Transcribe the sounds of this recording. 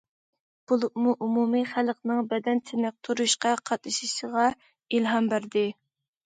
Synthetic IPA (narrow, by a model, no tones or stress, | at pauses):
b̥ulˠɨp̚muʔumumiχælqnɨŋbɛd̪ɛnt̪ʰɪnɪq̚t̪ʰuɾuʃqɑqʰɑt̪̚ɨʃiʃəʁɑ | ilɦɑmbæɾd̪ɪ